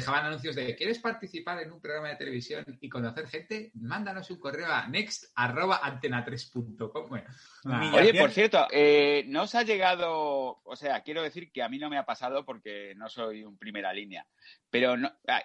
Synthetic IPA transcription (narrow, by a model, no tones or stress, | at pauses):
exaβananũnθjo̞zðekjeɾe̞spaɾt̪iθipaɾe̞numpɾo̞ɣɾamaðe̞t̪e̞le̞βisjo̞nikonaθe̞ɾχe̞nt̪e̞mãnd̪ano̞suŋko̞re̞oanekst̪aro̞βaʔant̪e̞nat̪ɾe̞spunt̪okom | o̞ʝe̞po̞ɾθje̞ɾt̪oʔeno̞saʝe̞ɣ̞að̞o̞ose̞akje̞ɾo̞ð̞e̞θiɾkeamĩno̞me̞apasaðo̞po̞ɾke̞no̞so̞jumpɾime̞ɾalinea̰ | pe̞ɾo̞noa̰